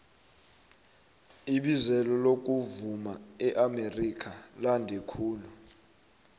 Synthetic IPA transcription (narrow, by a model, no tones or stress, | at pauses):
iɓizɛlɔlok̬ʼuvumaɛʔamerikʰalandʱɛkʰuːnɔ